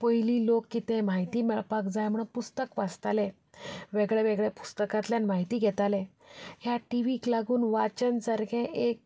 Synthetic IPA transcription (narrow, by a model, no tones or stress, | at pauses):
pəjliːlokːit̪ẽmaɦit̪iːmɛɭpakd͡zajm̤əɽ̃pust̪əkʋad͡zt̪ale | ʋeɡɭɛʋɛɡɭɛpu̥st̪əkãt̪ljanmaɦit̪iːɡʱɛt̪alẽ | ɦjaʈiʋiklaɡuːnʋat͡ɕənsəɾkʰẽʔek̚